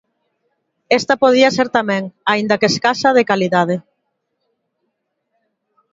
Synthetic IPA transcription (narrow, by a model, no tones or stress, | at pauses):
est̪ɐpoð̞iɐseɾt̪amɛ̃ŋaind̪ɐkeskasaðekaliðað̞e